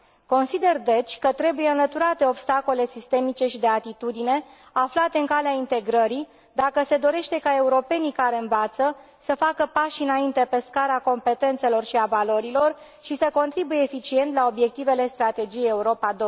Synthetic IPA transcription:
ko̞nsid̪e̞rd̪e̞t͡ʃʲkət̪ɾe̞buje̞ɨnlət̪uɾat̪e̞o̞bst̪ako̞le̞sist̪e̞mit͡ʃe̞ʃid̪e̞at̪it̪ud̪ine̞ | aflat̪e̞ɨŋkaleaint̪e̞ɡɾəɾi | d̪akəse̞d̪o̞ɾe̞ʃt̪e̞kae̞uɾo̞pe̞nikaɾe̞ɨnvat̪sə | səfakəpaʃɨnaint̪e̞pe̞skaɾako̞mpe̞t̪e̞nt̪se̞lo̞rʃiavaloɾilo̞r | ʃisəko̞nt̪ɾibuje̞ːfit͡ʃie̞nt̪lao̞bje̞k̚t̪ive̞le̞st̪ɾat̪e̞d͡ʒijejeuɾo̞pad̪o

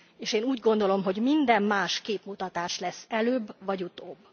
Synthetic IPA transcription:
eːʃeːnuːɟɡo̞nd̪o̞lo̞mɦo̞ɟmind̪ɛmmaːʃkeːpmut̪ɒt̪aːʃlɛsːɛløːbvɒɟut̪oːbː

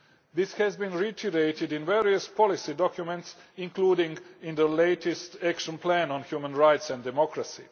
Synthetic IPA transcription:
ðɪshɛzbĩnɹitʰiɾeɪtɪdĩnvɛɾiəspʰɔlisidɔkjumɛ̃ntsĩnkluːdɪ̃ŋɡɪ̃nd̪əleɪtʰɛstækʃə̃nplæ̃nɔ̃nhjumə̃nɹajtsɛ̃ndɛmɔkɾasḭ

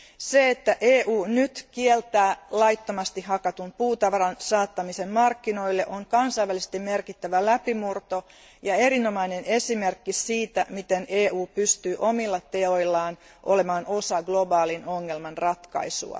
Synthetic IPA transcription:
seet̪ːæʔeːʔuːnyt̪kielt̪æːlɑit̪ːomɑst̪ihɑkɑt̪umpuːt̪ɑʋɑɾɑnsɑːt̪ːɑmisemmɑrkːino̞ilːeʔoŋkɑnsɑjʋːælise̥st̪immerkit̪ːæʋælæpimurt̪o | jɑe̞ɾino̞mɑinenesimerkːisiːt̪æmit̪eneːuːpyst̪yːʔomilːɑt̪e̞o̞ilːɑːn | ʔo̰le̞mɑːno̞sɑɡlo̞bɑːlinoŋːelmɑnrɑt̪kɑ̰isṵɑ̰

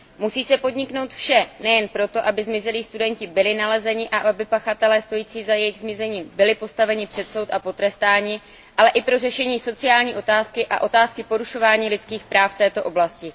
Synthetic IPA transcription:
musiːsɛpo̞dɲɪkno̞wt̪fʃɛnɛjɛnpɾo̞t̪o̞ʔabɪzmɪzɛliːst̪udɛɲcɪbɪlɪnalɛzɛɲɪʔaʔabɪpaxat̪ɛlɛːst̪o̞jiːt͡siːzajɛjɪɣzmɪzɛɲiːmbɪlɪpo̞st̪avɛɲɪpr̥ɛt̪so̞wt̪apo̞t̪ɾɛst̪aːɲiː | ʔalɛʔɪpɾo̞rɛʃɛɲiːso̞t͡sɪaːlɲiːʔo̞t̪aːskɪʔa̰ʔo̞t̪aːskɪpo̞ɾuʃo̞vaːɲiːlɪt͡skiːxpɾaːft̪ɛːt̪o̞ʔo̞blascɪ

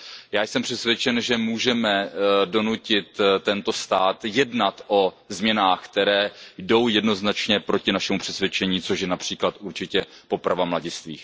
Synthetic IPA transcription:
jaːjsɛmpr̥ɛsvʲjɛt͡ʃɛnʒɛmuːʒɛmɛdo̞nucɪt̪t̪ːɛnt̪o̞st̪aːt̪jɛdnat̪ʔo̞ | zmɲɛnaːxkt̪ɛɾɛːjdo̞wjɛdno̞znat͡ʃɲɛpɾo̞cɪnaʃɛmupr̥ɛsvjɛt͡ʃɛɲiːt͡so̞ʃjɛnapr̝̥iːklat̪ʔuɾt͡ʃɪcɛpo̞pɾavamlaɟɪst̪vḭːx

